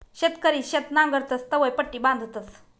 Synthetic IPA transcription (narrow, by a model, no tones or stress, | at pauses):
ɕet̪kəɾiːɕet̪nãŋɡəɾt̪əst̪əʋəjpəʈːiːbãnd̪ʱt̪ət͡s